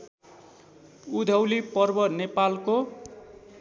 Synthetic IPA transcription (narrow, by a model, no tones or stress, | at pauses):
ud̪ʱʌwlipʌrbʌnepalko